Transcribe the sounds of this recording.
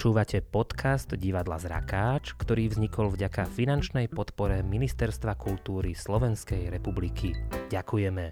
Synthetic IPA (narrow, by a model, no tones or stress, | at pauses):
t͡ʃuːʋacʰɛpɔt̪kʰazd̪ɟiʋad̪la̰zɾa̰kaːt͡ʃkt̪ɔɾiːvzɲikɔlvɟakafinant͡ʃnɛjpɔt̪pɔɾɛminist̪ɛɾst̪ʋakult̪uːɾislɔʋɛnskɛjɾɛpublikʰiɟakujɛmɛ